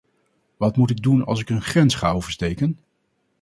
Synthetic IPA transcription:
ʋɑtmutɪɡ̚dunɑ̰lˠsɪkənχrɛnsχa̰ːowvəɹstejkən

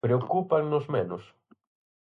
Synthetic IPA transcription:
ɾeokupaŋnʊzmenʊs

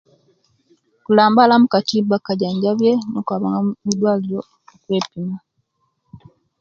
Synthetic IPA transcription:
kulaːmbalamukatiːbakaɟaːɲɟaβjenokwaβaŋɡamidwaːlilo | okwe̞ːpima

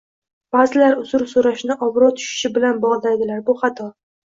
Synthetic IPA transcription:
b̥azɪlaɾʊzʊɾsoɾaʃnɪʔɒbɾɒt̪ʰʊ̥ʃɪ̥ʃɪbɪlanbɒʁd̪ajd̪ɪlaɾbʊχɑt̪ʰɒ

